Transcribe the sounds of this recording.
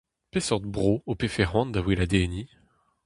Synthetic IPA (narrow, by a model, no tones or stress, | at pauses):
pesɔʁd̪bʁoopefɛʁwɑ̃nd̪awilad̪eni